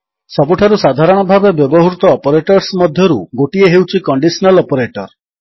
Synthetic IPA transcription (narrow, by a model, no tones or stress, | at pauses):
sɔbuʈʰaɾusad̪ʱaɾɔɽ̃ɔbʱabebjɔbɔɦuɾut̪ɔːpɔɾeʈɔɾsmɔd̪ʱjɔɾuɡoʈieɦewt͡ʃʰikɔɳɖisɔnalɔpɔɾeʈɔɾ